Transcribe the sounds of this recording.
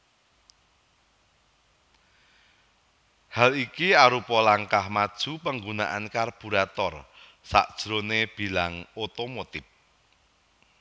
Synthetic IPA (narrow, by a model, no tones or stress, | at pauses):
halikiaɾupɔlaŋkahmad̥ʒ̥ṳpəŋɡuna̰ʔankarb̥uɾat̪ɔr | sa̰ʔd̥ʒ̥ɾoneb̥i̤laŋot̪omot̪ɪp̚